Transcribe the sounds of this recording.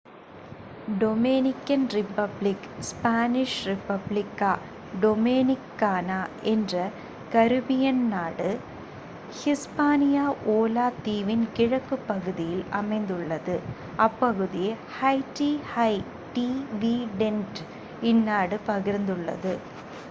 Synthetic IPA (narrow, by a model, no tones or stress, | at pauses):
ɖɔmeːnɪkːɐnrɪpːɐblɪkspaːnɪʂɾɪpɐblɪkːaː | ɖɔmeːnɪkːaːnaːɛndrɐ | kɐɾɯbɪjɐnnaːɽɯ | hɪspaːnɪjaːʔoːlaːt̪iːʋɪnkɪɻɐkːɯpːɐɣɯðɪjɪlɐmɐɪnd̪ɯɭːɐðɯ | ɐpːɐɣɯðɪje | hɐɪʈihɐɪ | ʈiʋiːɖɛnʈ | ɪnːaːɽɯpɐɣɪɾnd̪ɯɭːɐ̰ðɯ